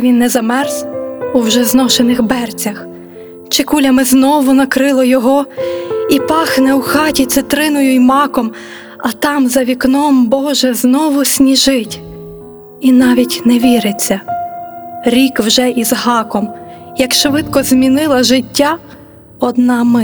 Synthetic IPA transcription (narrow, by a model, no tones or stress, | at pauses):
ʋʲinːɛzɐmɛrzuwʒɛznɔʃenɪxbɛrt͡sʲɐx | t͡ʃɪkulʲɐmɪznɔʋʊnɐkɾɪlˠɔjɔɦɔ | ipɑxnɛuxɑtʲit̪sɪt̪ɾɪnʊjʊjmɑkɔm | ɐt̪ɑmzɐʋʲiknɔmbɔʒɛznɔʋʊsʲnʲiʒɪtʲ | inɑʋʲitʲnɛʋʲiɾɪt͡sʲːɐ | ɾʲikwʒɛʔizɦɑkɔm | jɐkʃʋɪd̪kɔzmʲinɪlˠɐʒɪtʲːa | ɔd̪nɑmɪ